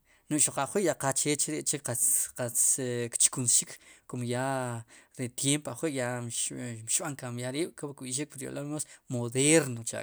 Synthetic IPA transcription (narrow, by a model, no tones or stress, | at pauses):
nuʔʃoqaχwiʔjaqat͡ʃet͡ʃɾiʔt͡ʃeqaqat͡skt͡ʃi̥kunsʃikkomoja | ɾet̪jempaχwiʔja | ʃɓaŋkamjaɾiːɓ̥kokɓiʃ̬ik̚pɾjo̰lamosmoðeɾnot͡ʃa̰